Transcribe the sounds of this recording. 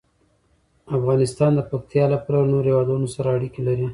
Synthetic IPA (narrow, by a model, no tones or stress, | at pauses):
afɣɑnɪst̪ɑnd̪əpak̚t̪jɑlaplanoɾhewɑd̪unosaɾaːɽikelaɾi